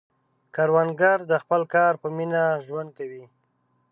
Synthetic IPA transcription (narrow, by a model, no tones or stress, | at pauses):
kaɾwanɡaɾd̪əxpəlkɑɾpəminaʒwand̪̚kawi